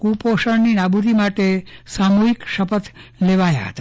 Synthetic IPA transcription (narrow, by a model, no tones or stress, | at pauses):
kupoʃəɾninabʱuɾimaʈ̪esamuɦikʃəpət̪leʋaja̰ɦə̰t̪a